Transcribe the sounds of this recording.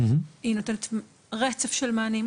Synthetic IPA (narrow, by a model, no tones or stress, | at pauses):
inotenet̪ | ʁet͡sefʃelmaːnim